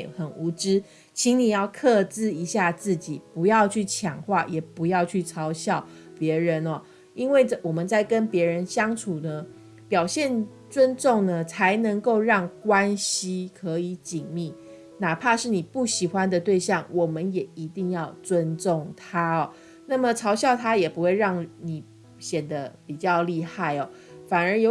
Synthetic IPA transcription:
xə˨˩nu˧˥˦ʈ͡ʂɻ̩˦ | t͡ɕʰi˨˥ŋni˨˩jɑ˥˧ʊkʰɤ˥˧t͡sɹ̩˥˧i˧˥ɕja˥˧t͡sɹ̩˥˩t͡ɕi˨˩pu˧˥jɑ˥˧ʊt͡ɕʰy˥˩t͡ɕʰjɑ˨˩ŋxwa˥˩jɛ˨˩pu˧˥jɑ˥˧ʊt͡ɕʰy˥˩t͡sʰɑ˧˥ʊɕjɑ˥˩ʊ | pjɛ˧˥ɻə˧˦nɔ˨ | i˦nwe˥˩ɪʈ͡ʂə˨wɔ˨˩mə˨˦nt͡sa˥˩ɪkə˦npjɛ˧˥ɻə˧˦nɕjɑ˥ŋʈ͡ʂʰu˨˩nə˦ | pjɑ˨˩ʊɕjɛ˥˨˩n | t͡swə˦nʈ͡ʂo˥˩ŋnə˨t͡sʰa˧˦ɪnə˧˥ŋko˥˧ʊɻɑ˥˩ŋkwa˦nɕi˦kʰɤ˧˥i˧˥˦t͡ɕi˨˩ŋmi˥˩ | na˨˩pʰa˥˧ʂɻ̩˥˩ni˨˩pu˥˩ɕi˨˩xwa˦nd̪ə˨t̪we˥˧ɪɕjɑ˥˩ŋwɔ˨˩mə˦njɛ˨˩i˧˦t̪i˥˧ŋjɑ˥˩ʊt͡swə˦nt͡so˥˩ŋt̪ʰa˥ɔ˩ | na˥˩mə˨˩ʈ͡ʂʰɑ˧˥ʊɕjɑ˥˧ʊt̪ʰa˥jɛ˨˩pu˧˦xwe˥˧ɪɻɑ˥˩ŋni˨˩˦ | ɕjɛ˨˩nd̪ə˦pi˨˩t͡ɕjɑ˥˧ʊli˥˧xa˥˩ɪɔ˩ | fa˨˩nə˞˨˧˥jo˧

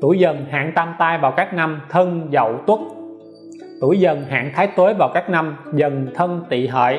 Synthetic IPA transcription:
t̪u˧˩jzə˨˩nɦa̰ː˧˨ŋt̪aː˧mt̪aː˧jvaː˨˩wkaː˦˥k̚na˧mt̪ʰə˧nzə̰˧˨wt̪wu˦˥t̚ | t̪u˧˩jzə˨˩nɦa̰ː˧˨ŋt̪ʰaː˨˦jt̪əː˨˦jvaː˨˩wkaː˦˥k̚na˧mzə˨˩nt̪ʰə˧ŋt̪ḭ˧˨ɦə̰ː˧˨j

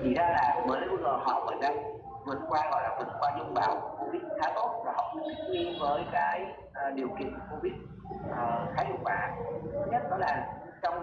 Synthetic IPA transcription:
t͡ɕḭ˧˨zaː˧laː˨˩mə˨˩a˨˦lu˧˩zə˨˩ɦɔː˨˩və̰˨˩t̚ɗaː˨˧˦ | vɨ˨˩t̚kwaː˧ɣɔ̰˧˨jlaː˨˩vɨ˨˩t̚kwaː˧zʊ˧ŋ͡mɓaː˨˩wkko˧vi˦˥t̚xaː˨˦t̪o˧˩nvaː˨˩hə˧˨wŋ͡mt̪i˦˥t̚ɲi˧ənvəː˨˦jkaː˨˦j | ɗi˨˩əwkḭ˧˨ənko˧vi˦˥t̚ | ʔəː˨˩xaː˨˦jhṵ˧˩k̚waː˨˦˥ɲə˦˥t̚ɗɔ˨˦laː˨˩ | t͡ɕɔ˧wŋ͡m

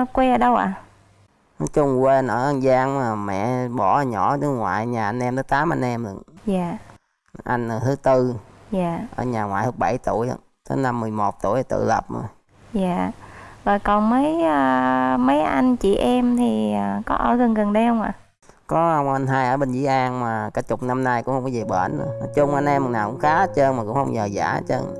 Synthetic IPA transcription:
kwe˧əː˧˦ɗə˧wʔa̰ː˧˩ | n˨˦t͡ɕʊ˧ŋ͡mkwe˧nʔəː˧˩ʔa˧nzaː˧ŋmaː˨˩mɛ̰˧˨ɓɔ˧˩˨ɲɔ˧˩tɨ˨˦ŋwa̰ː˧˨jɲaː˨˩ʔa˧nʔɛ˧mt̪əː˨˦t̪aː˨˦mʔa˧nʔɛ˧m̰˧˨njaː˨˩ | ʔa˧jŋ̟ə˨˩hɨ˨˦t̪ɨ˧jaː˨˩ʔəː˧˩ɲaː˨˩ŋwa̰ː˧˨jhɨ˨˦˥k̚ɓa˧˩jt̪u˧˩˨əjhə̰˧˩ | t̪ə˨˦na˧mːɨ˨˩əjmo˨˩t̚t̪ṵ˧˩jt̪ɨ̰˧˨lə˨˩p̚ | jaː˨˩zo˨˩jkɔ˨˩nmə˨˦jəː˧mə˨˦jʔa˧jŋt͡ɕḭ˧˨ʔɛ˧mt̪ʰi˨˩əː˨˩kɔ˨˦ʔəː˧˩ɣə˨˩nɣə˨˩nɗə˧jhə˧wŋ͡mʔa̰ː˧˨ | kɔ˨˦hə˧wŋ͡mʔa˧nɦaː˧jʔəː˧˩ɓe˧nzḭ˧˦ʔaː˧nmaː˨˩kaː˨˧˦t͡ɕʊ˨˩k͡p̚na˧mnaː˧jkʊ˧˥ŋ͡mhə˧ŋ͡mkɔ˧zi˨˩ɓəː˧˩nːə˧˦nɔ˨˦t͡ɕʊ˧ŋ͡mʔa˧nʔɛ˧mːə˨˩naː˨˩kʊ̰˧˥ŋ͡mxaː˨˦˧t͡ɕə˧nmaː˨˩kʊ̰˧˥ŋ͡mhə˧wŋ͡mɲəː˨˩za̰ː˧˩˧t͡ɕə̰˧n

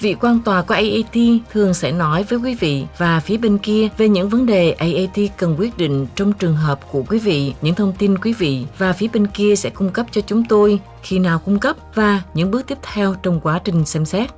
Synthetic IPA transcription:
vḭ˧˨kwaː˧nt̪waː˨˩ku˧˩əʔə˧jʔa˧t̪i˧t̪ʰɨ˨˩əŋsɛ̰˧˥˩nɔ˨˦jvəː˨˦jkwi˨˦vḭ˧˨vaː˨˩fi˨˦əɓe˧nki˧əve˨˩ɲɨ̰˧˥ŋvə˨˦nɗe˨˩ʔə˧jʔa˧jt̪i˧kə˨˩nkwi˦˥ət̚ɗḭ˧˨ŋ̟t͡ɕɔ˧wŋ͡mt͡ɕɨ˨˩əŋɦəː˨˩p̚ku˧˩əkwi˨˦vḭ˧˨ɲɨ̰˧˥ŋt̪ʰə˧wŋ͡mt̪i˧nkwi˨˦vḭ˧˨vaː˨˩fi˨˦əɓe˧nki˧əsɛ̰˧˥kʊ˧ŋ͡mkə˦˥p̚t͡ɕɔ˧t͡ɕʊ˨˦ŋ͡mt̪o˧j | xi˧naː˨˩wkʊ˧ŋ͡mkə˦˥p̚vaː˨˩ɲɨ̰˧˥ŋɓə˦˥ək̚t̪i˦˥əp̚t̪ʰɛ˧wt͡ɕɔ˧wŋ͡mkwaː˨˦t͡ɕï˨˩ŋ̟sɛ˧msɛ˦˥t̚

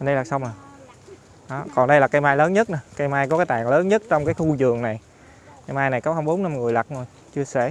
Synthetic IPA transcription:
ɗə˧jlaː˨˩sa˧wŋ͡ma˨˩ | ɗɔ˨˦kɔ˨˩nɗə˧jlaː˨˩ka˧jmaː˧jləː˨˦nɲə˦˥t̚ʔa˨˦ka˧jmaː˧jkɔ˨˦kaː˨˦jt̪aː˨˩ŋləː˨˦nɲə˦˥t̚t͡ɕɔ˧wŋ͡mkaː˨˦jxu˧zɨ˨˩əŋna˨˩j | ka˧jmaː˧jna˨˩jkɔ˨˦hə˧ŋ͡mɓo˨˦na˧mŋɨ˨˩əjlə˨˩k̚zo˨˩j | t͡ɕɨ˧əsɛ̰˧˩

